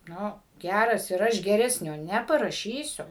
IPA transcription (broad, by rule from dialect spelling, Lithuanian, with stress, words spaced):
ˈnʊ ˈɡʲærɐs ɪr ˈɐʃ ɡʲɛˈrʲæːsʲnʲoː ˌnʲæːpɐrɐˈʃʲiːsʲʊ